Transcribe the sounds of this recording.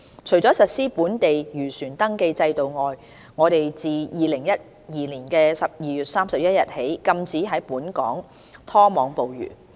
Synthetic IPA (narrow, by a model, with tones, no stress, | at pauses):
t͡ʃʰɵ˨˩ɥt͡sɔː˨˥sɐ˨t̚siː˥puː˨˥nt̪e˨jjyː˨˩syː˨˩nt̪ɐ˥ŋke˧jt͡sɐ˧jt̪o˨wŋɔː˨j | ŋɔː˨˧t̪e˨jt͡siː˨jiː˨lɪ˨˩ŋjɐ˥t̚ | jiː˨˩liː˨˩nkɛː˧sɐ˨p̚jiː˨˩jyː˨t̚saː˥msɐ˨p̚jɐ˥t̚jɐ˨t̚he˨˥jkɐ˧mt͡siː˨˥ɦɐ˨˥jpuː˨˥nkɔ̰ː˨˥ŋ | t̪ʰɔː˥mɔː˨˧ŋpo˨wjy̰ː˨˩